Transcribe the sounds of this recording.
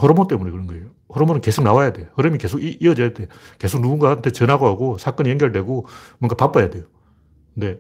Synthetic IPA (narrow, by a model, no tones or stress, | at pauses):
hʌɾomot͈emunekɯɾʌnɡʌejo | hoɾomonɯnke̞sʰok̚nawajade̞johɯɾɯmike̞sʰoɡiiʌd͡ʑajdeke̞sʰok̚nuɡuŋɡaantʰet͡ɕʌnɦaɡoɦaɡosʰak͈ʌɲieŋɡjʌɭdwe̞ɡomʌŋɡapap͈ajade̞jo | kɯnde̞